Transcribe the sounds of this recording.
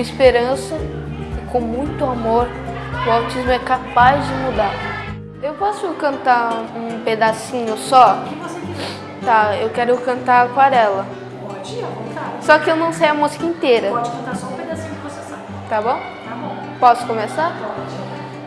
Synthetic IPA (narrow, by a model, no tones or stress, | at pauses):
kõispeɾɐ̃sɐ | kõmũj̃t̪ʊamoɾ | ʊawt͡ʃizmʊɛkapazd͡ʒɪmud̪aɾ | ewpɔsʊkɐ̃nt̪aɾũped̪asĩɲʊsɔɪvose | t̪aewkɛɾʊkɐ̃nt̪aɾakwaɾɛlɐ | at͡ʃiɐõt̪asɔkɪewnɐ̃w̃sejɐmuzikɐĩnt̪eɾɐpɔd͡ʒkɐ̃t̪asɔ̃ped̪asĩɲosesɐ | t̪abõw̃ | t̪abõw̃ | pɔsʊ̥kõmesaɾt͡ʃi